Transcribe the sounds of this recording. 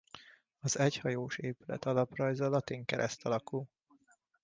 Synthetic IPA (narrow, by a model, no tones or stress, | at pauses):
ɒzɛchɒjoːʃeːpylɛ̰t̪ɒlɒprɒjzɒlɒt̪iŋkɛɾʔɛst̪ɒlɒkul